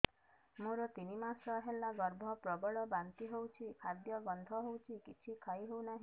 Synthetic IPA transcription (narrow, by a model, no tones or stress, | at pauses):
mũɾɔt̪inimasɔɦelaɡɔɾbʱɔpɾɔbɔɭɔbant̪iɦowt͡ʃʰikʰad̪jɔbɔnd̪ʱɔɦowt͡ʃʰikit͡ʃʰikʰaiɦewnaɦi